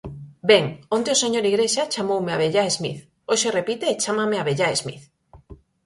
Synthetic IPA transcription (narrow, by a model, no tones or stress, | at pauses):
beŋont̪eoseɲoɾiɣɾeʃat͡ʃamowmeaβeʎaezmḭθ | oʃerepit̪eːt͡ʃamameaβeʎaezmḭθ